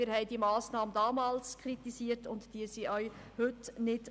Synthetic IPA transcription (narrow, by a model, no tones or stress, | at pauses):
ɪɾhɛɪdiːəmɑːsnɑːməndɑːmɑːlskʰɾitisiəɾtʊntd̥iəsiʔœʏɥhʏtnɪd